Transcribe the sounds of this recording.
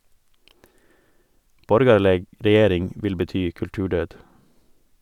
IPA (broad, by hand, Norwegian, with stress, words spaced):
ˈbɔɾɡɑɭəɡ ɾɛˈjeːɾɪŋ ˈʋɪl bəˈtyː kʉlˈtʉːˌɖœd